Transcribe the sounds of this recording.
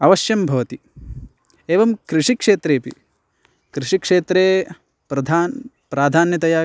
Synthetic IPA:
ɐʋɐʃjɐmbʱɐʋɐt̪i | eːʋɐmkɾiʂikʂeːt̪ɾeːpḭ | kɾɪʂikʂeːt̪ɾeː | pɾɐd̪ʱaːn | pɾaːd̪ʱaːnjɐt̪ɐjaː

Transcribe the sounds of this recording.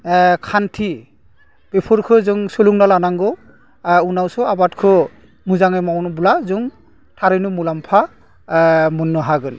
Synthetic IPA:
kʰantʰi | b̥epʰɔɾkʰɯzɯŋsɔluŋnalanaŋɡɔ | unawsɔabatkʰɯ | muzaŋemawnbulazɯŋ | tʰaɾɯjnumulampʰa | munːɔɦaɡɯn

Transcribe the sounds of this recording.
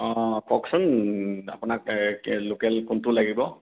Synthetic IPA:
ɔ̃kʰɔksɔna̰pʊnakːokɛlkʊntʊlaɡibɔ

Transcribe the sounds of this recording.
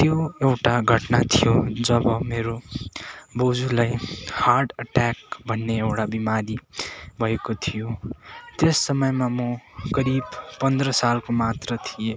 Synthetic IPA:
t̪joewʈaɡʱʌʈnat̪ʰijod͡zʌbʌmeɾo | bod͡zulajharɖʌʈak̚bʱʌnːeewʈabimadibʱʌekot̪ʰijot̪esːʌmʌjmamʌkʌɾibpʌnd̪rʌsalkomat̪rʌt̪ʰije

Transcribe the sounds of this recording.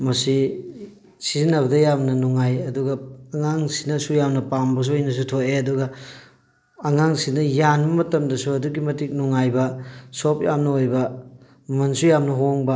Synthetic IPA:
mɐsi | sizinɐβɐdɐjamnɐnuŋajɐduɡɐːŋaŋsi̥nɐsujamnɐpambɐs̬uojnɐs̬utʰoʔeɐduɡɐ | ŋaŋsinɐjanbɐmɐtɐmdɐsuɐduɡimɐtik̚nuŋajbɐsopjamnɐojbɐ | mɐnsujamnɐɦoŋbɐ

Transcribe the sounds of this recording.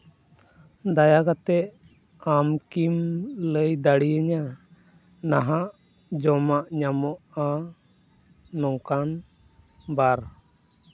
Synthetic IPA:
d̪ajakat̪ɛʔ | amkimləjd̪aɽiəɲa | naɦaʔ | d͡ʒɔmaʔɲamɔʔa | ɔŋkan | baɾ

